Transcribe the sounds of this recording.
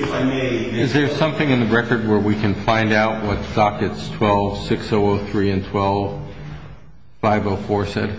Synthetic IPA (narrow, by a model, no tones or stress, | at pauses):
mɨzðə˞sʌ̃mθɪ̃ŋɨ̃nðɨɹɛkə˞d̚wə˞wikʰɨ̃nfãɪ̃ndaʊʔ̚wʌttɑkɨtstʰw̥ɛlˠv̥sɪksoʊoʊθɹiɨ̃ntʰw̥ɛlˠv̥ | faɪvoʊfɔɹsɛ̰d̥̚